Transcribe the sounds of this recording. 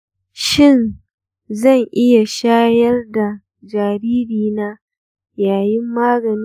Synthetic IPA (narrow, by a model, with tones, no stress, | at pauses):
ʃɪ˦˨n | zɐ˦˨ŋʔɪ˦ja˨ʃaː˦jɐ˦rda˨ | d͡ʒaː˨ɾiː˦ɾiː˨naː˦ | jaː˨jɪ˦mːaː˦ɡɐ˨n˦